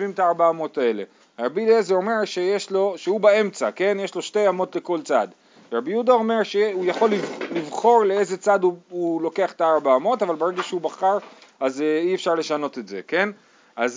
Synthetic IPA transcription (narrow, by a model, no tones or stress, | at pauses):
vimt̪aaʁbaːmo̞tae̞le̞̰ | ʁabilezeo̞me̞ʁʃejeʃlo̞ʃeubae̞mt͡sake̞njeʃlo̞ʃte̞jamo̞tle̞ko̞lt͡sad̪ | ʁabijud̪ao̞me̞ʁʃeujaχo̞lːilivχo̞ʁleezet͡sad̪uulo̞ke̞aχt̪aaʁbaːmo̞tavalbeʁeɡaʃeubaχaʁaziefʃaʁle̞ʃano̞t̪e̞tze̞̰ke̞n | ʔaz